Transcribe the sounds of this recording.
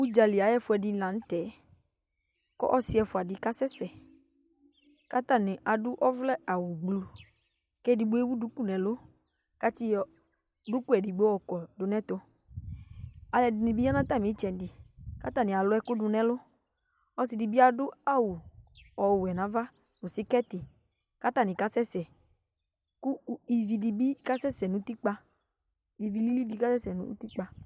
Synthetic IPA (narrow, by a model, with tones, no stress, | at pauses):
u˦d͡ʒa˨li˨a˨˦ɛ˦fʊ˦ɛ˨dɪ˨˦lã˨n̩˦tɛ˨˦ | kɔ̰˦ʔɔ˦sɪ˦ɛ˨fʊ˨a˨dɪ˨ka˦sɛ˦sɛ˨ | ka˦t̪a˦˨nɪ̃˨ʔa˨dʊ˦ʔɔ˦vlɛ˦a˨wʊ˨ɡ͡blu˦ | kɛ˦di˨ɡ͡bo˦e˦wu˦du˦ku˦nɛ̃˨lʊ˦ | ka˦ti˦ɔ˨ | dʊ˦ku˦ɛ˨di˨ɡ͡be˦ɔ˦˨kɔ˨dʊ˨nɛ̃˦t̪ʊ˦ | a˧lɛ˧di˨ni˧bi˦a˦nã˦t̪a˦˨mi˨˦t͡ʃɛ˨n˨di˨ka˦t̪a˦˨ni˨a˨lʊ˦ɛ˧˦kʊ˦dʊ˧nɛ˦lʊ˦ | ɔ˧si˧di˧bi˦a˧dʊ˦a˦wu˨ɔ˨wwɛ˨nã˨˦va˦ | nʊ˨si˦kɛ˦tɪ˨ | ka˦ta˦˨nĩ˨ka˦sɛ˦sɛ˨ | kʊ˦i˨vi˧di˧bi˦ka˦sɛ˦sɛ˨nʊ̃˨˦ti˦k͡pa˧ | i˨vi˧li˦li˦di˧ka˦sɛ˦sɛ˨nʊ̰̃˦ti˦k͡pa˧